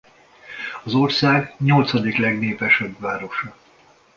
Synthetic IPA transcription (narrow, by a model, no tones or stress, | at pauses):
ɒzorsaːɡɲo̞lt̪sɒd̪iklɛɡneːpɛʃøbʋaːɾo̞ʃɒ